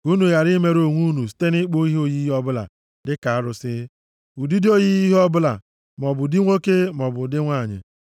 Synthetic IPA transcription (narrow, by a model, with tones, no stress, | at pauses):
u˦nu˨ja˨ɾi˦me˦ɾo˨ŋʷu˦nu˨si̥˨˦te˦ni˦k͡po˦i˦ɦo˦ji˦ɦɔ˦bʊ˦la̰˨ | dɪ˦ka˨a˦ɾʊ˨sɪ˦ | u˨di˦do˦ji˦i˦ɦɔ˦bʊ˦la̰˨ | mɔ˨bʊ˨di˦ŋʷo˦ke˦mɔ˨bʊ˨dɪ˦ŋʷa˦˨ɲɪ̰˨